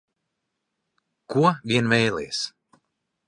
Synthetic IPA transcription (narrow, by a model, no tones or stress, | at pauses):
kuɔvʲiɛnvɛjlɛ̰ːjs